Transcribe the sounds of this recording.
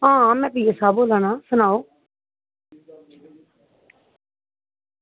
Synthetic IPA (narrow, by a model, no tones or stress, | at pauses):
ɦãːmɛ̃ːpiːesaːboːlaːnaːsʊnaːoː